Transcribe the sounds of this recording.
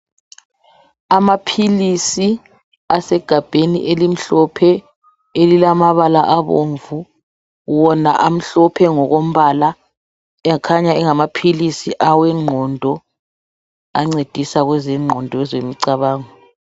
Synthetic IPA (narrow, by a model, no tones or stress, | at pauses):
amapʰilisi | asɛɡ̥ʱab̥ʱenḭʔelim̩ɬɔpʰɛ | elilamaβalaʔaβoɱvu | wɔna̰ʔam̩ɬɔpʰɛŋɔɣom̩βaːla | ɛkʰaɲaɛŋamapʰilisiʔawɛŋ͡ǃʱɔndʱɔ | a̰ŋ͡ǀed̥ʱisaɣwɛzɛŋ͡ǃʱɔndʱɔɛzemiǀaβaːŋɔ